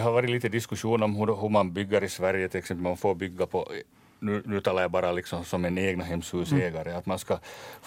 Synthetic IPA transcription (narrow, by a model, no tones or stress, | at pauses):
ɛɦaʋɑːɾɪliːt̪əd̪ɪskɵʂuːnɔmɦʉɾɦɵɾmanbʏɡːaɾɪsvæɾjət̪ʰɪlɛksɛmpəlmanfoːɾbʏɡːapʰɔ | nʉːnʉːt̪ʰɑːlaɾjabɑːɾalɪksɔmsɔmːɪneːɡnaɦɛmshʉːseːɡaɾəat̪manskɑ